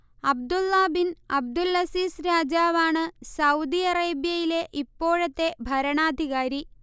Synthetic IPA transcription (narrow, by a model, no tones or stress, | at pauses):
ɐb̚d̪ulːɐbinɐb̚d̪ulːɐsiːsɾaːd͡ʑaːʋaːɳɨsɐwd̪ijɐreːbjɐjile̞ʔipːo̞ːɻɐt̪ːe̞bʱɐɾɐɳaːd̪ʱiɣaːɾi